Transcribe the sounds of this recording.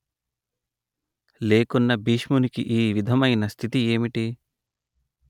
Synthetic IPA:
leːkunːɐbiːʃmunikḭʔiːʋid̪ʱɐmɐjnɐst̪ʰit̪ieːmiʈi

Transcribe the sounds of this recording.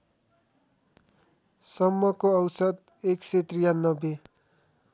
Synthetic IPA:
sʌmːʌkoʌwsʌd̪ | ekset̪rijanːʌbe

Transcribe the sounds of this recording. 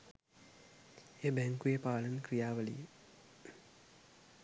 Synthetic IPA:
eːbɛŋkujepaːlɐnkrijaːʋəlḭje

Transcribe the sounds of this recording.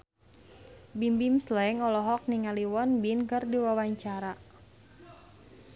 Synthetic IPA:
bimbimslɛŋɔlɔɦɔk̚niŋaliwɔnbinkərdiwawaɲt͡ʃaɾa

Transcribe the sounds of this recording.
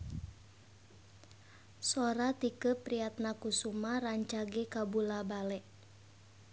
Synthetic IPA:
sɔɾat̪ikəpɾiat̪̚nakusumaraɲt͡ʃaɡɛkabulabalɛʔ

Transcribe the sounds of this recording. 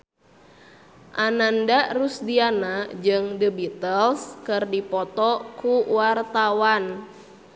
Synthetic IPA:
ʔanandarusdianad͡ʒɨŋdəbit̪əlskɨrdipɔt̪ɔkuwart̪awan

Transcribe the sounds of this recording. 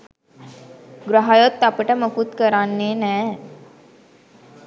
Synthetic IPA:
ɡɾaɦajot̪ːapəʈəməkut̪kəɾanːeːnɛː

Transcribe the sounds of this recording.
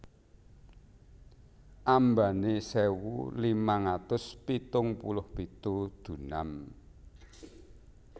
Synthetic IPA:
ʔambanesewṵlimaŋat̪ʊspit̪ʊŋpṵlʊhpit̪ud̪̥ṳnam

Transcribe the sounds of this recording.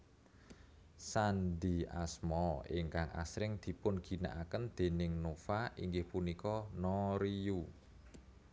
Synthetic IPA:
sand̪i̤a̰smɔɪŋkaŋʔa̰sɾɪŋd̪̥i̤pʊnɡ̥i̤na̰ʔakənd̪̥e̤nɪŋnofaʔiŋɡɪhpunikɔnɔɾiu

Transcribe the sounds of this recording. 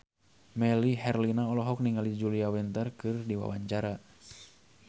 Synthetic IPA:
mɛliɦɛrlinaɔlɔɦɔk̚niŋalid͡ʒuliawɛnt̪ərkɨrdiwa̰wa̰ɲt͡ʃaɾa

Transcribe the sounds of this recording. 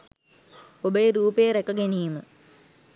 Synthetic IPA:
obəjeɾuːpejəɾekɐɡeniːmə

